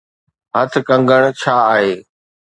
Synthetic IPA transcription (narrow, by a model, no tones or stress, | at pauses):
ɦət̪ʰkə̃ŋɡəɽ̃t͡ɕʰaːaːɦeː